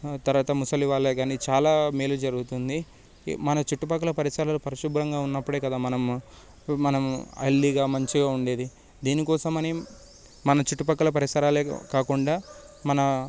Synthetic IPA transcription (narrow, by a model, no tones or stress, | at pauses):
t̪ɐɾʋaːt̪ɐmusɐliʋaːleːɡaːnit͡ʃaːlaːmeːlud͡ʒɐɾuɡut̪und̪i | mɐnɐt͡ʃuʈːupɐkːɐlɐpɐɾisɐːɾɐlopɐɾɐʃubuɾɐŋɡaːunːɐpːuɽe̞ːkɐd̪aːmɐnɐm | mɐnɐmɐ̰lːiɡaːmɐɲt͡ʃiɡaːuɳɖe̞ːd̪i | d̪iːnikɔːsɐmɐni | mɐnɐt͡ʃuʈːupɐkːɐlɐp̬ɐɾisɐɾaːlḛːkaːkuɳɖaː | mɐnɐ